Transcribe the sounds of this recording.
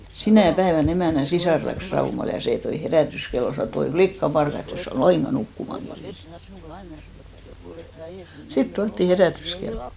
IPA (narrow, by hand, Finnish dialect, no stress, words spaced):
sinæˑ pæeʋæn emæˑnˑæ sisɑˑr læks rɑumɑl jɑ seˑ toi heræˑtyskelːo sɑno et oi flikːɑpɑrkɑ etː es sæ ol lɑiŋɡ̊ɑ nukːumɑŋ kerjen sit tuɑtːiˑ heræˑtyskelːo̥